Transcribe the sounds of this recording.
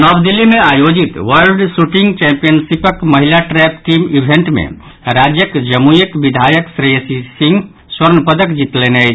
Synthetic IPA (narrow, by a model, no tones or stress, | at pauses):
nɔbd̪ilːimeajod͡ʒit̪ʋəlɖsuʈiŋɡt͡ʃɛ̃mpijənsipəkməɦilaʈɾɛpʈimibʱẽɳʈmḛ̃ | ɾad͡ʒjəkd͡ʒəmujəkbid̪ʱajəksɾesisĩŋɡ | swəɾnpəd̪əkd͡ʒit̪lenəjt͡ʃʰ